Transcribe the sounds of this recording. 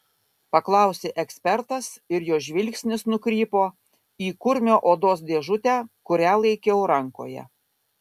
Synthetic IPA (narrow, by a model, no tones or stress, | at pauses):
pɐklˠɑˑʊsʲeːʔɛksʲpʲɛɾt̪ɐsɪɾjoːʒʲʋʲɪlʲksʲnʲɪsnʊkɾʲiːpoː | iːkʊɾʲmʲoːʔoːd̪oːs̬d̪ʲeɛʒʊt̪ʲæːkʊɾʲæːlˠɐɪkʲɛʊɾɐŋko̰ːjɛ̰